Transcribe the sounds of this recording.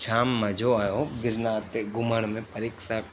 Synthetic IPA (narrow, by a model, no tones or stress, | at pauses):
ʃaːmːãd͡ʒʱoaːjoɡɪɾnat̪eɡʊməɳ̃mẽpəɾikʃa